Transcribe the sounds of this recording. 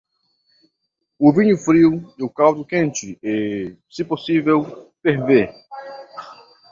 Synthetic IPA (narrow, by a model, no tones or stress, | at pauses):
ʊvĩɲʊfɾiwɪʊkawd̪ʊkẽnt͡ʃɪesɪposivewfeɾve